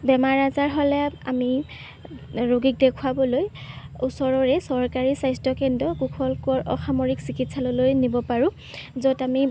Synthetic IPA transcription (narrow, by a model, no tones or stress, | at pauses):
bɛmaɹazaɹɦɔlɛami | ɹoɡik̚dekʰuwabɔlojusɔɹɔɹɛsɔɹkaɹisajstɔkɛndɔkukʰɔlkɔɹʔɔ̰xʰamɔɹiksikitsalɔlojnibɔpaɹʊ̃ | zɔtami